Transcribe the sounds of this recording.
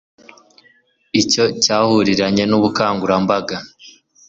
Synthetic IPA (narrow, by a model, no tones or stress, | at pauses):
ico̞caːhuɾiɾaɲe̞nuβukaːŋɡuɾambaɡa